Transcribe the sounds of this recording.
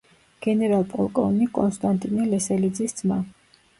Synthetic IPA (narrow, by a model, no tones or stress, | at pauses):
ɡ̥ɛnɛɾalˠpʼɔlˠkʼɔ̰vnikʼɔnst̪ʼant̪ʼinilɛsɛlid̪zisd̪zma